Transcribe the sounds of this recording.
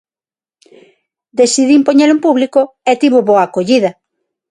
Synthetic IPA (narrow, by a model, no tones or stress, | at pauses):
d̪esiðimpoɲeɾumpuβliko | et̪iβoβoakoʎiðɐ